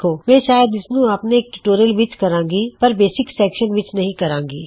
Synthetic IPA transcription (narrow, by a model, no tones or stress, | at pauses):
oːmɛ̃ːʃaːjəd̪ɪsnũaːpneeːk̚ʈuʈoːɾijəlʋɪt͡ʃkɐɾãːŋɡipɐɾbeːsɪksɛːkʃənʋɪt͡ʃnɐɦĩkɐɾãːŋɡḭː